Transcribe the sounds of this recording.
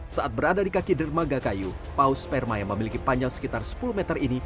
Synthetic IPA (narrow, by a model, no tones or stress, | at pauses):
saʔat̪̚bəɾadadikakidərmaɡakajupauspɛrmajaŋməmilikipaɲd͡ʒaŋsə̥kit̪arsə̥puluhmɛt̪ərini